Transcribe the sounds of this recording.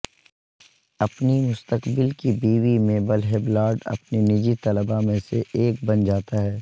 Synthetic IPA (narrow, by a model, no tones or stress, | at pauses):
ɐpnimʊst̪əkbɪlkibiːʋimẽbəlɦeːblaːɾɖɐ̰pninɪd͡ʒit̪ɐləbamẽseʔeːk̚bɐnd͡ʒaːt̪aɦɛː